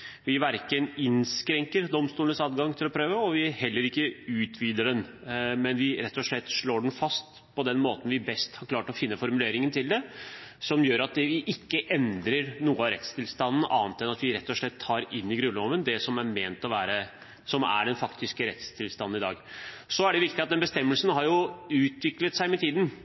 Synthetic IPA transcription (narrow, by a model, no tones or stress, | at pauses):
ʋɪʋæɾkənɪnskɾɛŋkəɾd̪ɔmst̪uːlənəsɑːd̪ɡɑŋt̪ʰɪlɔpʰɾøːʋəɔʋɪhɛlːəɾɪkːəʉːt̪ʰʋiːd̪əɖɛn | mɛnʋɪɾɛt̪ːɔʂɭɛt̪ːʂɭoːɖn̩fɑst̪ | pʰɔd̪ɛnmoːt̪n̩ʋɪbɛst̪hɑɾkʰlɑːʈɔfɪnːəfɔɾmʉleːɾɪŋənt̪ʰɪld̪ɛsɔmjøːɾɑt̪̚d̪ɛʋɪʔɪkːəʔɛnd̪ɾəɾnuːəɑɾɛ̰t̪st̪ʰɪlst̪ɑnn̩ʔɑ̰ːnt̪ɛnɑt̪ʋɪɾɛt̪ːɔʂɭɛt̪ʰːɑːɾɪnːɪɡɾʉnɔʋənd̪ɛsɔmæɾmeːnt̪ɔʋæːɾə | sɔmæ̰ɖɛnfɑkt̪ʰɪskəɾɛ̰t̪st̪ʰɪlst̪ɑnn̩ɪd̪ɑ̰ːɡsɔæɖɛʋɪkt̪ɪɑt̪d̪ɛnbəst̪ɛmːəlsənɦɑɾjʊʉːt̪ʋɪklət̪sæɪmɛt̪ʰiːd̪n̩